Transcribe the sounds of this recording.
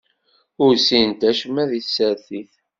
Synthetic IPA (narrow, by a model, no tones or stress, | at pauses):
ʊɾsint̪æʃmæðiθsːəɾθiθ